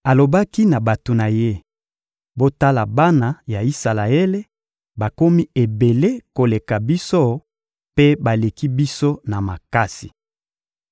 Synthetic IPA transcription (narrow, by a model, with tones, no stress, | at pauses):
a˨lo˨ba˦ki˦na˨ba˨to˨na˨je˦ | bo˦ta˦la˨ba˦na˨ja˨i˦sa˨la˨e˦le˦ | ba˨ko˦mi˦e˨be˨le˦ko˨le˨ka˨bi˦so˦ | pe˦ba˨le˨ki˦bi˦so˦na˨ma˨ka˦si̥˨